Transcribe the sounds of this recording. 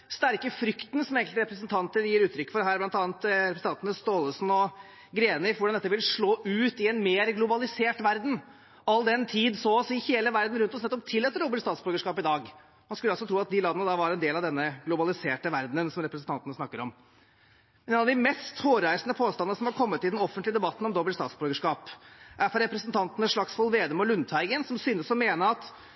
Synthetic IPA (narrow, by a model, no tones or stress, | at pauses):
st̪æɾkəfɾʏkt̪ənsɔmeːŋkəlt̪əɾɛpɾəsənt̪ʰɑnt̪əɾjiːɾʉːt̪ʰɾʏkːə̥fɔɾd̪ɛɦæːɾblɑnt̪ɑːnt̪ɾɛpɾəs̩ʰɑnt̪ənəst̪oːləsn̩ɔ | ɡɾeːnɪʋʊɖɑnɛt̪ːəʋɪlʂɭoːʔʉːt̪ɪɛnmeːɾɡlʊbɑlɪseːʈʋæɾd̪n̩ | ɑlːd̪ɛnt̪ʰiːd̪soːsɪheːləʋæɾd̪n̩ɾʉnt̪ɔsnɛt̪ːɔp̚t̪ʰɪlːɛt̪ɾuːbəʈst̪ɑːt̪sbœɡəʂkɑːpɪd̪ɑːɡ | mɑnskʉlːɑlsɔt̪ʰɾuːɑt̪̚d̪ɪlɑːd̪nəd̪ɑʋɑɾɛnd̪eːlɑʋd̪ɛnːəɡlʊbɑlɪseːʈəʋæɾd̪nənsɔmɾɛpɾəsn̩t̪ɑnt̪ənəsnɑkːəɾɔm | mɛneːnɑʋd̪ɪmɛst̪hoːɾæɪsənəpʰoːst̪ɑnənəsɔmɑɾkʰɔmːət̪ːɪld̪ɛnɔfənləd̪ɛbɑt̪ːn̩ɔmd̪ɔbəlst̪ɑ̰ːt̪sbɔɡəʂkɑːpæfɔɾɛpɾəsənt̪ʰɑnt̪ənəʂɭɑksfɔlʋeːd̪əmɔlʉnt̪ʰæɪɡənsɔmsyːnəsɔmeːnəɾɑt̪